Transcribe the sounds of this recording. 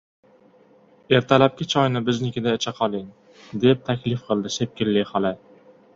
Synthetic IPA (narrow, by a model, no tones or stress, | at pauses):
e̞ɾt̪ʰalap̚kʲɪt͡ʃʰɒjnɪbɪznɪkʲɪd̪aɪt͡ʃʰaqʰɒlˠɪŋ | d̪e̞p̚t̪ʰakʲlɪfqʰɨlˠd̪ɪsep̚kʲɪlːɪhɒlɪ